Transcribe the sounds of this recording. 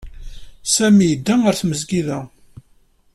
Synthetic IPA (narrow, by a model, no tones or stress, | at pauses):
sæmijəd̪ːæəɾθməzɡiðæ